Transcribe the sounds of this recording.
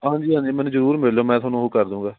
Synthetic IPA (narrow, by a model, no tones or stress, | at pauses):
ɦãːɲd͡ʒiːɦãːd͡ʒiːmɛ̃nũːzəɾuːɾmɪlloːmɛ̃ːt̪ʰaːnũːɦokəɾd̪ũːɡaː